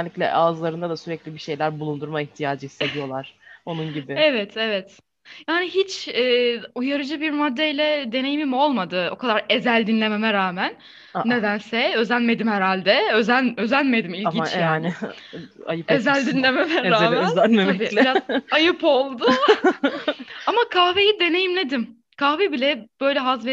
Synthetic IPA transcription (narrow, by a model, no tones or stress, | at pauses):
nlʲiclʲɛ̰ʔazlˠaɾɯnd̪ad̪asyɾɛclʲibiʃe̞jlʲæɾbulˠund̪uɾmaiçt̪ʰijaːd͡ʒɯhi̥sːe̞d̪ijo̞lˠaɾ̥o̞nunɟibɪevɛt̪ʰevɛt̪ | jaːniɦit͡ʃɛːujaɾɯd͡ʒɯbiɾmad̪ːeilʲɛd̪e̞ne̞jimimo̞lˠmad̪ɯo̞̰kʰad̪aɾe̞zælʲd̪inlʲe̞me̞mɛɾaːmænː | e̞d̪ænsɛø̞zænme̞d̪imhɛɾalʲd̪ɛø̞zænø̞zænme̞d̪imilʲɟint͡ʃjaːanɪ | ajɯezælʲd̪inlʲe̞memɛɾamønæneabiːiɾazajɯpo̞lˠd̪ʊ | amakʰaːvejid̪e̞ne̞jimned̪im | kʰaːvebilʲɛb̥ø̞jlʲɛɦazvɛ